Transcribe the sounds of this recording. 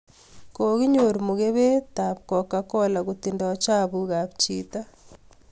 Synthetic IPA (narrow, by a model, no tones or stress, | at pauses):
koɣiɲoɾimuɣeβetapkokakolaɣutindat͡ʃaβuɣaβt͡ʃḭta